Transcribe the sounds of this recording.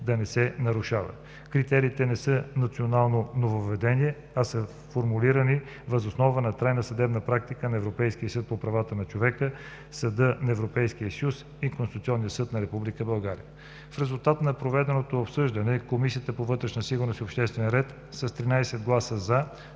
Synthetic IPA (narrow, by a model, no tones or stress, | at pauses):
d̪ɐnɛsɛnɐɾuʃavə̰ | kɾit̪ɛɾiːt̪ɛnɛsɤnɐt̪sionalˠnonovoːɛd̪ɛniɛ | ɐsə | foɾmuliɾəni | vəzosnɔvənɐt̪ɾajnəsɐd̪ɛbnəpɾak̚t̪ikənɐɛvɾopɛjsk̟ijəsɤt̪̚popɾɐvat̪ənɐt͡ʃovɛkə | sɐd̪ɤnɐɛvɾopɛjskiəsjus | ikonsut̪siɔnːijəsɤt̪nɐɾɛpublikəbɐlˠɡaɾḭjə | fɾɛzulˠt̪at̪nɐpɾovɛd̪ɛnot̪oopsɤʒd̪ənɛkomisijət̪əpovɤt̪ɾɛʃnəsiɡʊɾnosiopʃt̪ɛst̪vɛnɾɛt̪ | səst̪ɾinajsɛd̪̚ɡlˠasəza